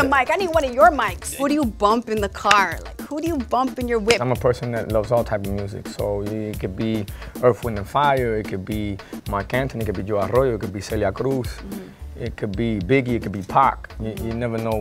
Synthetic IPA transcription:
maɪkaɪnĩwʌɾɨjə˞maɪkshuɾɨjɨbʌ̃mpɨ̃nðɨkʰɑɹlaɪkhuɾɨjɨbʌ̃mpɨ̃njə˞wɪãɪ̃məpʰɜ˞sɨ̃nðɨtlʌvzɔlˠtʰaɪpʌvmjʉzɪ̰ksoʊɪt̚kʰɨd̚biɜ˞θwɪ̃nɨ̃nfaɪə˞ɪt̚kʰɨd̚bimaɹkæ̃ntʰɨ̃nɨt̚kɨd̚bid͡ʒoaɾɔjoɨt̚kɨd̚bisɛljakʰɾus | ɪt̚kʰɨd̚bibɪɡiɨt̚kʰɨd̚bipʰɑ̰kjɨjɨnɛvə˞noʊ

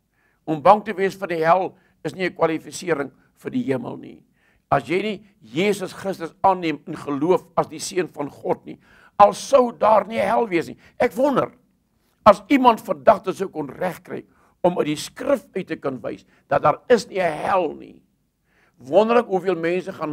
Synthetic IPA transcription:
ɔmbɐŋtəviəsfərdiɦælˠ | əsniəkwɐlifisiəɾəŋ | fərdiɦiəmə̰lˠnḭ | ɐsjəjni | jeːsəsχrəstəsɑːnːiəmənχəluəfɐsdisiənfɐnχɔtnḭ | ɐlˠsəwdɑːrniəɦælˠviəsnḭ | ʔɛkvɔndə̰r | ɐsimɐntfərdɐχtəsəwkɔnræχkrɛ̰j | ɔməɥdiskrəfœɥtəkənvə̰js | d̥ɐt̚dɑːɾəsniəɦælˠnḭ | vɔndərləkɦufiəlˠmɛnsəχɑn

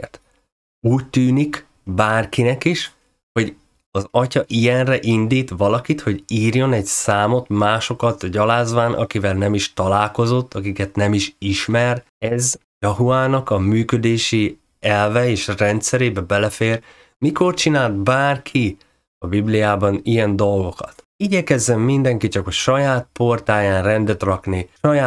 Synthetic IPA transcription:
t̪ | uːc̚t̪yːnik | baːrkinɛkiʃ | ho̞ɟ | ɒzɒcɒʔijɛnrɛʔind̪iːt̪ʋɒlɒkit̪ho̞ɟiːrjo̞nɛɟsaːmo̞t̪maːʃo̞kɒt̪ɟɒlaːzʋaːnʔɒ̰kivɛlnɛmiʃt̪ɒlaːlko̞zo̞t̪ːɒkikɛt̪nɛmiʃiʃmɛr | ɛz | jɒɦuaːnɒkɒmyːkød̪eːʃi | ɛlvɛeːʃrɛnt̪sɛɾeːbɛbɛlɛfeːr | miko̞rt͡ʃinaːlt̪baːrkʰi | ɒbiblijaːbɒnijɛnd̪o̞lɡo̞kɒ̰t̪ | iɟɛkɛzːɛmːind̪ɛŋkit͡ʃɒkɒʃɒjaːt̪̚po̞rt̪aːjaːnrɛnd̪ɛt̪rɒkniʃɒjaː

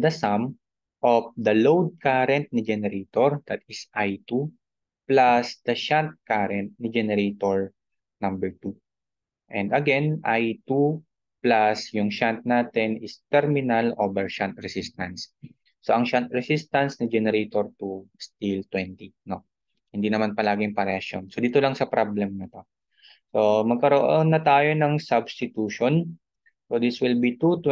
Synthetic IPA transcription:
d̪ɐsam | ʔofd̪ɐlowd̪̚kaɾɛnt̪̚nid͡ʒɛnɛɾeːt̪oɹd̪̥ɐt̪̚ɪsʔajt̪u | plasd̪̥ɐʃant̪̚kaɾɛnt̪̚nid͡ʒɛnɛɾet̪oɹ | nɐ̃mbɛɹt̪u | ʔɛ̃nd̪ɐɡɛnʔajt̪u | plasjʊŋʃant̪̚naːt̪ɛnɪst̪ɛɹmɪnɐlʔobɛɹʃant̪ɹɛsist̪ɐnsː | o̞ʔɐŋʃant̪̚ɹɛsist̪ɐnsnɐd͡ʒɛnɛɾɛt̪oɹt̪ust̪ilt̪wɛnt̪ino̞ | hɪnd̪inɐmanpɐlaːɡɪŋpɐɾɛʔɐʃjo̰nsod̪iːt̪olɐŋsɐpɾablɛmnɐt̪o̞ | somɐɡ̚kɐɾoʔonːɐt̪aːjo̞nɐŋsɐbst̪ɪt̪uːʃon | sod̪iswɪlbit̪ut̪

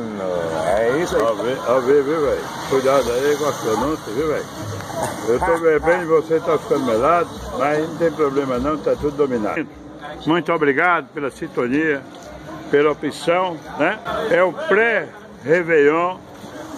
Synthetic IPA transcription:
ñ̰ɛisaviaviviwvej | kujd̪ad̪ʊaiɡɔst̪õnũt̪ɐviwvḛj | ewt̪obeɾbẽɪvoset̪afi̥kɐ̃d̪ʊmelad̪ʊmɐznnɐ̃t̪ẽj̃pɾoblẽmɐnɐ̃w̃t̪at̪ud̪ʊd̪omĩna̰d̪ʊ̥ | mũj̃t̪ʊobɾiɡad̪ʊpelɐsĩnt̪õniɐ | pelɐopisɐ̃w̃nɛɛũpɾɛ | hevejɐ̃

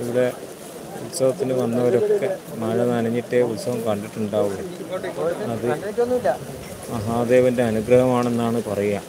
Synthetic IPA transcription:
iʋiɽe̞ | ut̪sɐʋɐt̪ːinɨʋɐnːɐoɾo̞kkːe̞mɐɻɐnɐnɐɲːiʈːeut̪sɐʋɐmkɐɳɖiʈːuɳɖaːʋuɭːɐ | ɐðɨonːlː | ɐɦaːd̪e̞ːʋɐnde̞ɐnuɡrɐɦɐmaːɳe̞nːaːɳɨpɐrɐjaːm

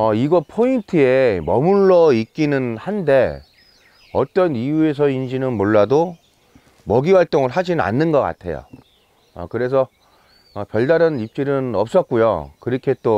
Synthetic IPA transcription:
ʌiɡʌpʰointʰɯe̞mʌmuɭːʌik̚k͈inɯnhande̞ | ʌ̰t͈ʌnijue̞s̬ʰʌind͡ʑinɯnmoɭːado | mʌɡiwaɭt͈oŋɯɭɦad͡ʑinɯna̰nːɯnɡʌk͈a̰tʰe̞̰jo̰ | ʌ̰kɯɾe̞s̬ʰʌ | ʌpjʌɭdaɾɯnip̚t͡ɕ͈iɾɯnʌp̚s͈ʌt̚k͈ujo̰kɯɾikʰe̞t͈o

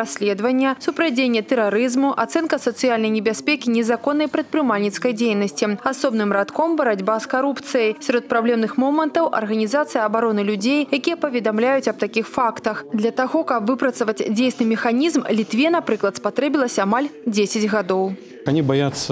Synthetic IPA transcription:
ɾasʲlʲɛd̪vɐnʲːɛsupɾad͡zʲenʲːɛt̪ɛɾaɾɨzmuʔat̪sɛnkɐsɐt̪sɨjalʲnɐjnʲɛbʲasʲpʲekʲinʲɛzakɔnːɐjpɾɐt̪̚pɾɨmalʲnʲit̪skɐjd͡zʲejnɐsʲt͡sʲiasɔbnɨmɾat̪kɔmbɐɾad͡zʲbaskaɾupt̪sɨjɐjsʲaɾɔt̪̚pɾablʲɛmnɨxmɔmɐnt̪ɐwʔɐ̰rɣɐnʲizat̪sɨjɐɐbaɾɔnɨlʲud͡zʲejjakʲijɛpɐvʲɛd̪amlʲajut͡sʲɐb̚t̪akʲixfakt̪ɐxd̪lʲɐt̪aɣɔkɐpvɨpɾɐt̪sɐvɐt͡sʲd͡zʲejsnɨmʲɛxanʲizmlʲit̪vʲɛnapɾɨklˠɐt̪spat̪ɾɛbʲilˠɐsʲɐamalʲd͡zʲesʲɐd͡zʲɣad̪ɔw | anʲibajat̪sːɐ

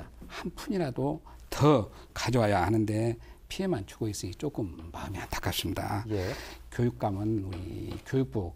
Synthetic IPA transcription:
hanpʰuɲiɾadotʰʌ | kad͡ʑowajahanɯnde̞pʰie̞mant͡ɕʰu̥ɡ̥ois͈ɯɕit͡ɕ͈ok͈ɯmːaɯmiant͈ʰḁkʰas͈imda̰jekjojuk̚k͈amɯnuɾḭkjojuk̚p͈o

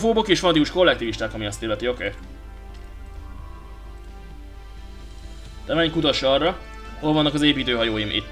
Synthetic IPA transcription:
foːbokeːʃfɒnd̪iuʃko̞lːɛkt̪iːviʃt̪aːkɒmiɒst̪eːlːɛt̪io̞keː | t̪ɛmɛɲkut̪ɒʃɒrːɒ | ho̞lvɒnːɒkɒzeːpiːt̪øːɦɒjoːjimʔḭt̪ː

